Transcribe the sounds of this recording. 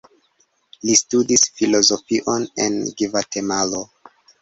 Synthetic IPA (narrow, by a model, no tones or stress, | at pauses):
listudisfilo̞zo̞fiʔo̞ne̞̰nɡivate̞malo